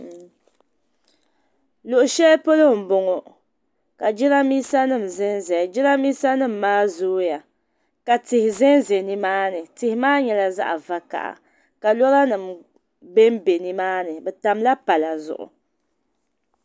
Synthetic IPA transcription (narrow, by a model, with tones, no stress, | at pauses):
lʊ˨ʔʊ˨ʃɛ˦po˦lo˦˨m̩˨bʊ˨ŋo˨ | ka˨d͡ʒi˦ɾa˦miː˦sa˦nɨ˦˨m̩˨zɛ˦nzɛ˨d͡ʒɪ˦ɾa˦miː˦sa˦nɨ˦˨m̩ː˨aː˦zʊː˦ja˨ | ka˨tɪ˨hɪ˨zɛ˦n˦zɛ˨ni˦maː˦nɨ˨tɪ˨hɪ˨maː˦ɲɛ˨la˨za̰˦ʔa̰˨va˦ka̰˨ʔa̰˨ | ka˨lɔ˦ɾa˦nɨ˨m | bɛ˦m˦be˨ni˦maː˦nɨ˨bɛ˨ta˨mla˦pa˨la˨zʊ̰˨ʔʊ̰˨